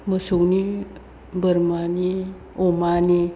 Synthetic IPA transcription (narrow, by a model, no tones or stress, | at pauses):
məsowni | bəɾmani | omani